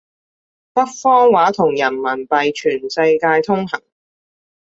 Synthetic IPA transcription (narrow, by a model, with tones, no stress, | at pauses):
pɐ˥k̚fɔː˥ŋwaː˨˥t̪ʰʊ˨˩ŋjɐ˨˩nmɐ˨˩npɐ˨jt͡ʃʰyː˨˩nsɐ˧jkaː˧jt̪ʰʊ˥ŋɦɐ˨˩ŋ